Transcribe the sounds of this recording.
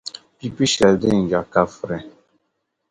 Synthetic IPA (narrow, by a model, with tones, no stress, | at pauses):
pi˦pi˦ʃɛ˨lde˦˨ŋ̩˨d͡ʒa˨ka˦fɾɛ˨